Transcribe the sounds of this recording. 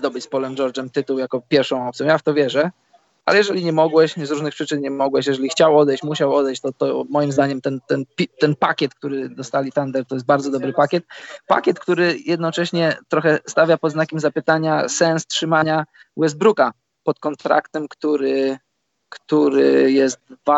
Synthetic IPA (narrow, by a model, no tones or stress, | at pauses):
d̪ɔbɘt͡ɕʲspɔlɛmd͡ʒɔɾd͡ʐɛmt̪ɘt̪uwjakɔpʲjɛɾfʂɔ̃w̃ɔp̪sʲjɔ̃wjaft̪ɔvʲjɛʐɛ | ʔa̰lɛjɛʐɛlʲiɲɛmɔɡwɛɕzɾuʐnɘxpʂɘt͡ʂɘnɲɛmɔɡwɛɕjɛʐɛlʲixt͡ɕawɔd̪ɛjɕt͡ɕmuɕawɔd̪ɛjt͡ɕt̪ɔt̪ɔmɔjimzd̪aɲɛmt̪ɛnt̪ɛnpʲit̪ɛnpakʲɛt̪k̚t̪uɾɘd̪ɔst̪alʲit̪and̪ɛɾt̪ɔjɛst̪baɾd̪ɔd̪ɔbɾɘpakʲɛt̪̚pa̰kʲjɛt̪kt̪uɾɘjɛd̪nɔt͡ʂɛɕɲɛt̪ɾɔxɛst̪avʲjapɔd̪znakʲɛmzapɘt̪aɲasɛnstʂɘmaɲa | wɛzbɾuka | pɔt̪kɔnt̪ɾʔa̰kt̪ɛmkt̪uɾɘ | kt̪uɾɪjɛst̪̚va